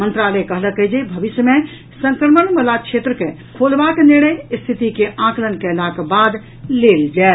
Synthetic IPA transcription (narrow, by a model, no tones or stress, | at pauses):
mənt̪ɾalɛkəɦləkəd͡ʒebʱəʋisjəmẽ | sə̃ŋkɾəmənməlakʃʰet̪ɾəke | kʰolbakniɾɽ̃əjst̪ʰit̪ikeʔãklənkɛlakbad̪ | leld͡ʒa